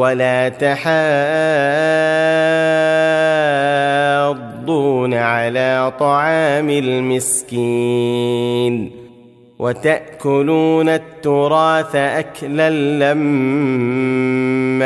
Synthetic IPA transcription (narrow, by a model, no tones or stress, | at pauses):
walaːt̪aħaː | d̪ˤːuːnaʕalaːt̪ˤɑʕɑːmɪlmɪski | n | wʔat̪aʔkʊluːnat̪ːʊɾˤɑːθaʔaklalːam